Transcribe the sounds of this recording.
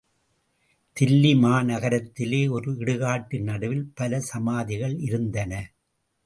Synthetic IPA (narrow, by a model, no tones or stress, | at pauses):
t̪ɪlːimaːnɐɣɐɾɐt̪ːɪleːɔɾɯɪɽɯɣaːʈːɪnːɐɽɯʋɪlpɐlɐsɐmaːðɪɣɐɭɪɾɯnd̪ɐnɐ